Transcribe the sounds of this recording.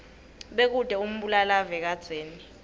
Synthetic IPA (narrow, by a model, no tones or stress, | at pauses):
ɓek̬ud̥ʱɛum̩ɓulalavɛk̬ad̥z̥ʱweːni